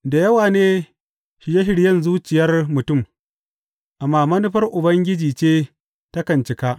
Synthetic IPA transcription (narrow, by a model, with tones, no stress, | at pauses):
da˨jɐ˦waː˨neː˦ | ʃɪ˨d͡ʒe˦ʃɪ˨ɽjɐ˦nzuː˦t͡ʃɪ˨jɐ˦rmʊ˨tʊ˦˨m | ʔa˨mːaː˦mɐ˦nɪ˦ɸɐ˦rʔʊ˨bɐ˦ŋɡʲɪ˦d͡ʒiː˨t͡ʃeː˦ | tɐ˦kɐ˨nt͡ʃɪ˦kaː˦